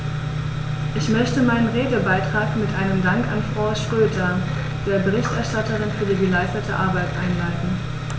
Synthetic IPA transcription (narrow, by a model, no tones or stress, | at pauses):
ʔɪçmœçtəmaɪnənʁeːɡl̩baɪtʁ̥aːkmɪtʔaɪnəmdaŋkanfʁ̥aʊʃʁ̥øːdɐ | d̥eːɐbəʁɪçtʔɛɐʃtatəʁɪnfyːɐɡəlaɪstɐtʰəʔaɐbaɪtʔa̰ɪnlaɪdn̩